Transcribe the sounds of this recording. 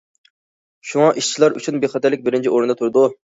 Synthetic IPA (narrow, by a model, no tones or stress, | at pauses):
ʃuŋɑʔiʃt͡ʃʰilˠɑɾy̰t͡ʃʰynbeχɑt̪ʰɛɾlɪkʲbɪɾɪnt͡ʃʰiʔoɾɨnd̪ɑt̪ʰuɾd̪u